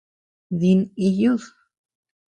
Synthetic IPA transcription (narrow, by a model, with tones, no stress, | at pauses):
ði˧ni˧ju˦ð